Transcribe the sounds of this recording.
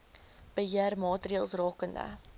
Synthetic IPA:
b̥əɦiərmɑːtriəlˠsrɑːkəndə̰

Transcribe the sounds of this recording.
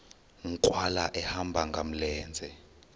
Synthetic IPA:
ŋ̩kʼwalaʔɛhambʱaŋɡʱam̩lɛːnd͡zʱɛ

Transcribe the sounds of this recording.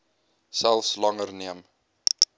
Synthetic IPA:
sælˠfslɐŋərniəm

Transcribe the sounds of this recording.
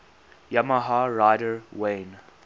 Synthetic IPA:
jamaɦaɹaɪɾəwẽn

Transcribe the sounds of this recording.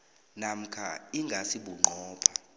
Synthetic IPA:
nam̩kʰa̰iŋɡʱasiɓuŋ͡ǃʱɔːpʰa

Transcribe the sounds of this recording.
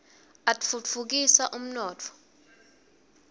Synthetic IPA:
atfufuk̬isaʔum̩nɔːt͡fʰɔ̥

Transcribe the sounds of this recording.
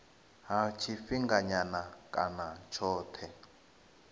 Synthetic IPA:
ɦat͡ʃʰifiŋɡaɲanakʼa̰nat͡ʃʰɔːtʰɛ

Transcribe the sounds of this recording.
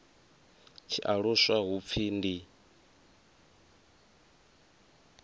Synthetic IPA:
t͡ʃʰiʔaɺuswaɦup̪fʰiːndi

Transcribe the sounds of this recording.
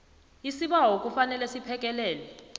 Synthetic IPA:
isiɓawok̬ʼufanɛlɛsipʰɛk̬ʼɛlɛːlɛ

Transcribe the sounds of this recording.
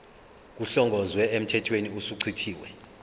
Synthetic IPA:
k̬uɬɔŋɡʱɔzwɛem̩tʰɛtʰweniusuǀʰitʰiːwɛ̰

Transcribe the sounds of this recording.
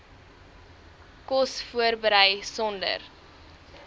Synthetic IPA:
kɔsfuərbəɾəjsɔndə̰r

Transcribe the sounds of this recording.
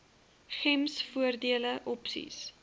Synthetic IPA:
χɛmsfuərdiələʔɔpsḭs

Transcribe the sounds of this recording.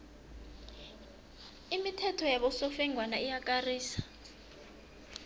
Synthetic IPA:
imitʰɛtʰɔjaβɔsofɛŋwanaijakʼariːsḁ

